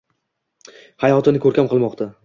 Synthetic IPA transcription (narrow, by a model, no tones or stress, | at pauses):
hajɒt̪ʰɪnɪkʰɵɾkʲamqʰɨlˠmɒqt̪ʰa